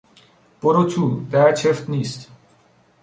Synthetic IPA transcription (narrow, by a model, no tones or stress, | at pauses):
poɾot͡ɕʰud̪ɛɾt͡ɕʰeft̪nist̪